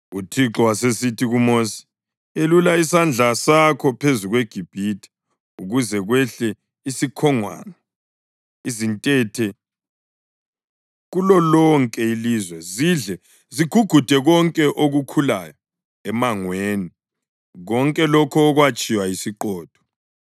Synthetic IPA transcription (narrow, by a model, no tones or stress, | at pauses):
utʰiǁɔwasesitʰiɣumosi̥ | elulaisand͡ɮʱasakʰɔpʰezuɣweɡ̥ʱib̥ʱitʰʼi̥ | uɣuzɛɣwɛɬɛ | isikʰɔŋwa̰ːnɔ | izintʼɛtʰɛ | ɣulɔlɔŋkʼɛilizwɛziɮɛ | ziɡ̥ʱuɡ̥ʱud̥ʱɛɣɔŋkʼɛʔoɣukʰula̰jɔ | ɛmaŋweːni | ɣɔŋkʼɛlɔkʰɔːɣwat͡ʃʼiwajisiǃɔːd̥ʱɔ̥